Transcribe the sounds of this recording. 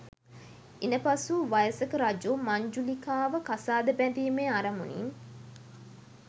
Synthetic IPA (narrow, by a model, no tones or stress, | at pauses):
inəpasuʋajəsəkəɾad͡ʒumaɲd͡ʒulikaːʋəkasaːd̪əbæd̪iːmeaɾɐmṵnḭn